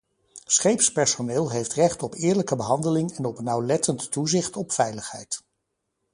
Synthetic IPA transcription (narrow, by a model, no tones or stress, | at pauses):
sχejpspɛɹsonɪːlˠɦejftrɛχtɔpɪːɹləkəbəɦɑndəlɪŋɛnɔpnɑwlɛtəntːuzɪχtɔpfɛjləχɦɛ̰jt